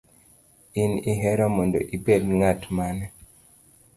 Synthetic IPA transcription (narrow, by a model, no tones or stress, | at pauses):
iniɦɛɾɔmɔndo̰ʔibed̚ŋatmanɛ